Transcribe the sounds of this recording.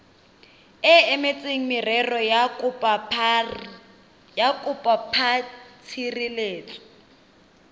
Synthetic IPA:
ɛɛmet͡sʼeŋ̩mɪrɛrɔjapa | jakʼupʼapʰat͡sʰirileːt͡sʰʼɔ̥

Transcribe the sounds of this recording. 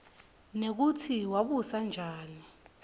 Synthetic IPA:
nek̬utʰiwaɓusand͡ʒʱaːni

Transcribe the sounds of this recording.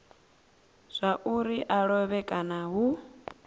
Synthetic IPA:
z̥ʷaʔuɾiʔaɺɔβɛkʼanaɦu

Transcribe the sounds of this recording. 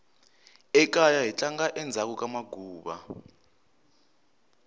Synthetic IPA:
ɛk̬ʼajaɦit͡ɬʼaŋɡaʔɛnd͡zʱak̬ʼukʼamaɡʱuːɓa̰

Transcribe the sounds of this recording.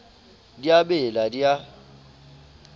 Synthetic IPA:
diabɪladia

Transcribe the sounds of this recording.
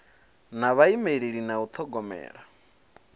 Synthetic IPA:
naβaimeɺiɺinaut̪ʰɔɡɔmɛ̰ːɺa

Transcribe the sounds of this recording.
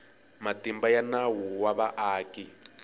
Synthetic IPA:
matimbajanawuwaβaʔaːki

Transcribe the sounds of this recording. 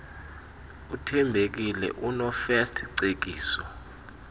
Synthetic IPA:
utʰɛmbʱek̬ilɛ̰ʔunɔfɛstʰǀek̬iːsɔ

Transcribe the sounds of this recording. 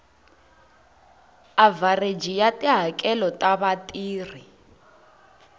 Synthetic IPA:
avared͡ʒijatʼiɦakʼɛlɔtʼaβatʼiːr̤i

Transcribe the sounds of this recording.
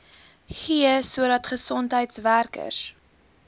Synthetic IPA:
χiəsuəɾɐtχəsɔntɦəjtsværkə̰s

